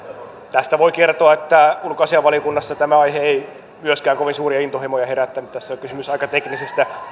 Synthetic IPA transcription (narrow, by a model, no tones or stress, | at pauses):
t̪æst̪æʋoikert̪oɑet̪ːæulkoɑsiɑʋɑliokunːɑsːɑt̪æmæɑiheei | myøskæːŋkoʋinsuːriɑint̪ohemojɑheɾæt̪ːænyt̪t̪æsːæokysymysɑikɑt̪eknisest̪æ